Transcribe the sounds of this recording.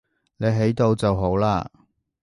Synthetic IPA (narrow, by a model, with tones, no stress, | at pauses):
ne˨˧jɦe˨˥jt̪o˧wt͡sɐ˨wɦo˨˥wlaː˧